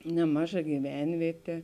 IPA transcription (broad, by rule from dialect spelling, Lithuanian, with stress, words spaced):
nʲɛˈmɑːˌʒɐ ɡʲiːˈʋʲɛnʲʋʲiɛtʲeː